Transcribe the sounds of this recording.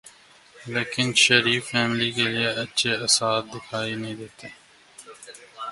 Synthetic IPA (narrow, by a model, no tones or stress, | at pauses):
leːkɪnʃəɾiːfːɛːmlikelieɐtːʃʰeɐsaːt̪̚d̪ɪkʰaːinəɦĩːd̪eːt̪eː